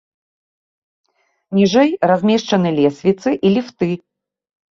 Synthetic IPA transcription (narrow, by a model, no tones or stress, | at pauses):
nʲiʐɛjrazʲmʲɛʂt͡ʂɐnɨlʲɛsʲvʲit̪sɨʔilʲift̪ɨ